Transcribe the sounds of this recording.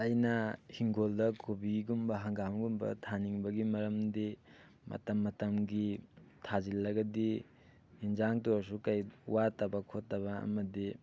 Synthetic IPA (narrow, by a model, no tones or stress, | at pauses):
ɐjnɐhiŋɡoldɐkobiɡiɡumbɐɦaŋɡamɡumbɐ̰tʰaniŋbɐɡimɐɾɐmdi | mɐ̰tɐmːɐtɐmɡitʰazilːɐɡɐdi | inzaŋtos̬ukajuwatabɐkʰotːaβɐɐ̰mɐdi